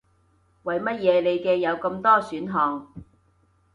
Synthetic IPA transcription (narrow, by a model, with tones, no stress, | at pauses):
wɐ˨jmɐ˥t̚jɛː˨˧le˨˧jkɛː˧jɐ˨˧wkɐ˧mt̪ɔː˥syː˨˥nɦɔː˨ŋ